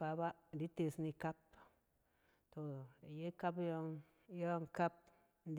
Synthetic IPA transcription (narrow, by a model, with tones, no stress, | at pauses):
a˨˦ba˦n˨di˦t̪e˧sni˧ka˦p̚ | t̪o˨je˦ka˦pjo˧ŋ | jo˦ŋ˨ka˦p̚ | n˦d